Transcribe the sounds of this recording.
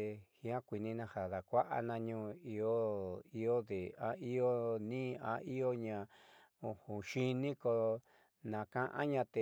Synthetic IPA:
hĩ˦ã˦kʷi˨nĩ˧nã˧ha˨ða˨kʷa˦ʔa̰˦nã˧ɲũː˦˧i˧o˦i˧o˦ðe˨a˧˦i˦o˦nĩː˦ã̰˧i˦o˦ɲã˧ | õ˧hũ˨ʃi˦nĩ˦ko˧ | nã˨kã˦ʔã̰˦ɲã˧t̪e˧

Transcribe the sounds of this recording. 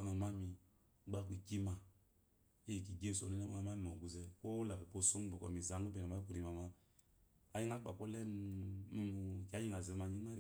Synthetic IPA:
a˦ŋa˨ma˦mi˨˦ | ɡ͡ba˦k̬i˨ki˦ma˨ | i˦e˨k̬i˨ɡe˦˨so˨nɛ˦ɛ˦a˦ŋa˨ma˦mi˨o˨ɡu˨zɛ˦ko˦u˦la˨bɛ˨po˦˨so˦ŋ˦bo˨kɔ˨mi˨za˨˦ŋu˦bɛ˨ŋa˨ma˦ku˦˨ɾi˨ma˨ma˦ | a˨ji˦ŋa˦k͡pa̰˨kɔ˦lɛ˦n̩˦˨ | ka˦ɲi˦ŋa˨ze˨˦ma˨ɲi˦ŋ˦a˦˨

